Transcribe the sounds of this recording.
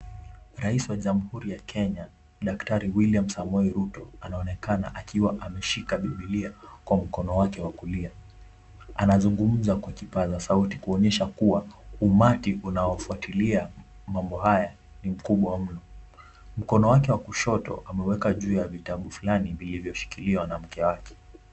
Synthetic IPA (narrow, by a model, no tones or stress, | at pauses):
ɾaisiwaʄam̩huɾijakʰɛɲa | ɗaktaɾiwiliam̩samɔiɾutɔanaɔnɛkana̰ʔakiwaʔamɛʃikaɓiɓiliakwam̩kɔnɔwakɛwakulia | anazuŋɡum̩zakwakipazasauti̥kuɔɲɛʃakuwaumatiʔunaɔfuatilia | mambɔɦaja | nim̩kuɓwam̩nɔ | m̩kɔnɔwakɛwakuʃɔtɔ̰ʔamɛwɛkaʄuːjavitaɓufulanivilivjɔʃi̥kiliwanam̩kɛwakɛ̥